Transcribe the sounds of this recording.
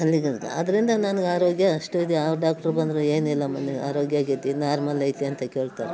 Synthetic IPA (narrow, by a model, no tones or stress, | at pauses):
ɐlːiɡɐḛɐd̪ɐɾind̪ɐnɐnɡeaːɾoːɡjɐʂʈuid̪eaːɖaːk̚ʈɐɾbɐnd̪ɾeeːnilːɐmɐnːea̰ːɾo̞ːɡjaːɡet̪ːinaːɾmɐlːɐjt̪iɐnt̪ɐke̞ːɭt̪a̰ːɾe